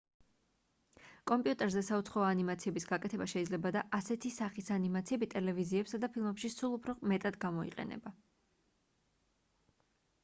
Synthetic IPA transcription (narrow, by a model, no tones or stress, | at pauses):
kʼɔmpʼiut̪ʼɛɾzɛsaut̪sʰχɔɔanimat̪sʰiɛbisɡakʼɛt̪ʰɛbaʃɛid̪zlɛbad̪aʔasɛt̪ʰisaχisanimat̪sʰiɛbit̪ʼɛlɛviziɛpsad̪apʰilˠmɛpʃisulˠupʰɾɔmɛt̪ʼad̪ɡamɔḭqʼɛ̰nɛ̰ba